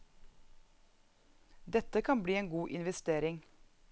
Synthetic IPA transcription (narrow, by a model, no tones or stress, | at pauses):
d̪ɛt̪əkʰɑnbɽiːeːŋɡuːʔɪnʋɛst̪eːɾɪŋ